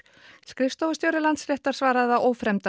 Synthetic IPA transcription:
skɾɪfst̪owvast̪jowɾɪlant̪srɛht̪aɾ̥vaːɾaððaʔoːwfɾɛmt̪a

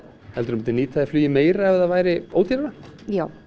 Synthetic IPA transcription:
hɛlt̪ʏɾmt̪ːɪniːt̪θaðjaflyːjɪmeːjɾaɛvðaðvaːjɾɪoːwt̪ʰɪɾɾajaːw

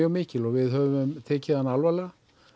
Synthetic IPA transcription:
œɣmɪːcɪlɔɣvɪðɦœːvʏmt̪ʰeːcɪðanːalvala

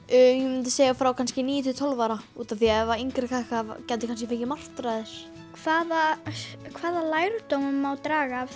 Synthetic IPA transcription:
ʏːjɛmʏnt̪̬ɪseːjɣafɾawkʰanscɪniːjʏt̪ʰit̪ʰɔlvaɾauːt̪anθiaɛvaijŋkɾɪkʰakavcɛnt̪ɪkʰans̬cɪfecɪmar̥t̪ɾaːðɪɾ̥ | kʰvaːðakʰvaːðalaːjɾʏt̪owmʏmawt̪ɾaːɣa

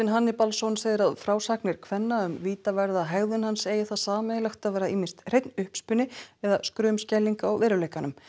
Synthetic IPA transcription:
ɪnɦanːɪpalsownseːɣðɪɾaðfɾaːwsaknɪɾ̥kʰvɛnːaʏmviːt̪avɛɾðaɦaɣðʏnhanseːjɪθaðsaːmɛðɪlɛxt̪aðvɛːɾaiːmɪnst̪r̥ejt̪nʏhpspʏnːɪɛðaskɾʏːmscɛlːiŋkaaɣvɛːɾʏlejkanʏm

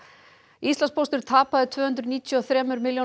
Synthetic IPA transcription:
ist̪lanspʰost̪ʏɾ̥t̪ʰaːpaðɪt̪ʰvœːhʏnt̪̬ɾʏniːt̪ʰjuɔθɾɛːmʏɾmɪljo

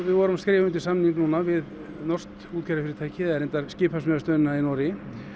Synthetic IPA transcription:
vɪðvɔːɾʏmskɾɪːvʏnt̪ɪ̥samniŋknuːnavɪð | nɔr̥st̪uːt̪kʰɛɾafɪɾɪɾt̪ʰaːjcʰɪɛɾejnt̪aɾscɪːpasmœðast̪œːnɪnainɔːɾɪ

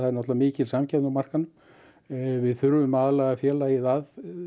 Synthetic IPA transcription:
aðɛɾnɔt̪lavamɪːcɪlsamcɛt̪nawmar̥kanʏm | vɪðθʏɾvʏmaðalɛɣafjɛːlaiθað

